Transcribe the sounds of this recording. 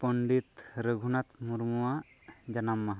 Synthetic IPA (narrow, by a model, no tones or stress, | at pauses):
pəɳɖit̪ɾəɡʱunat̪muɾmuwa | d͡ʒɐnamːaɦ